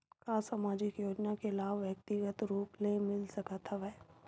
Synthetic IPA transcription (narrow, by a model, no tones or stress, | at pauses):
kasaːmaːd͡ʒɪkjoːd͡ʒnakelaːʋʋjɐk̚t̪ɪɡət̪ɾuːplemɪlsɐkət̪ʰəʋɛ